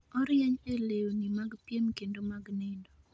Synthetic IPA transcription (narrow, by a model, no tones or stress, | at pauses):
ɔɾjɛɲelewonimaɡpjemkendomaɡnɪndo